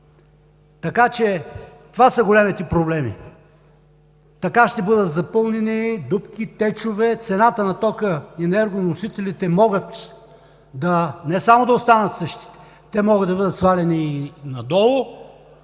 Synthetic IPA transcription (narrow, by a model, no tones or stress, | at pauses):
t̪ɐkat͡ʃɛt̪ovasɐɡolɛmit̪ɛpɾoblɛmḭ | t̪ɐkaʃt̪ɛbɤd̪ət̪zɐpɤlˠnɛnid̪upk̟ʲit̪ɛt͡ʃovɛt̪sɛnat̪ənɐt̪ɔkəɛnɛɾɡonnosit̪ɛlit̪ɛmɔɡət̪ | d̪ɐnɛsamod̪ɐost̪anət̪sɤʃt̪i̥ | t̪ɛmɔɡət̪d̪ɐbɤd̪ət̪svalɛninɐd̪ɔlˠʊ